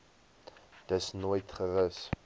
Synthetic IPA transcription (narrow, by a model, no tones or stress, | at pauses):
d̥əsnojtχəɾəs